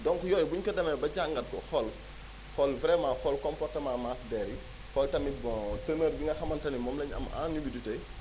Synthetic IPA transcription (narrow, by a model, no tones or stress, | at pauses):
dɔŋkujɔːjbuɲkɐdɐmɛbɐɟaŋɡɐt̚kɔxɔl | xɔlvɾɛmaxɔlkɔmpɔrtɐmamasdɛːɾi | xɔltɐmibtəməɾbiŋɡɐxɐmɐntɐnimɔmlɛɲɐ̰ma̰nibidutɛj